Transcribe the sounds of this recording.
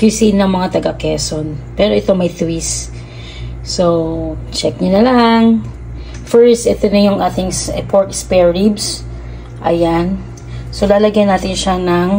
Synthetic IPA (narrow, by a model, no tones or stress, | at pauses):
kjusinɐŋmɐŋat̪ɐɡɐkɛsonpɛːɾoʔɛt̪o̞mɐjt̪wis | sot͡ʃɛk̚ɲonɐlaŋ | fɛɹst̪ʔɛt̪onɐjʊŋʔaːt̪ɪŋsɛpʰoɹt̪spɛɹibs | ʔɐ̰jan | solaːlɐɡajnaːt̪ɪnʃanɐŋ